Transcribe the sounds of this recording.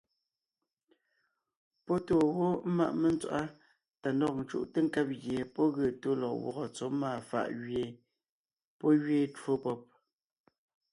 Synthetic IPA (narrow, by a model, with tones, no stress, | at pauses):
pɔ˦to˦˨wo˦ma̰˦ʔmə˦˨n˦t͡swa˨ʔa˦ | ta˨ndɔ˦q̚n̩˨t͡ʃṵ˦˨ʔtə˦ŋ̩˦kɛ˦p̚ɣje˨pɔ˦ɣə˨to˦lɔ˨ʔwɔ̰˨ɣɔ˨t͡so˨˦maː˦˨fa̰˦˨ʔɣe˨ | pɔ˦ɣɥe˦˨two˦pɔ˦p̚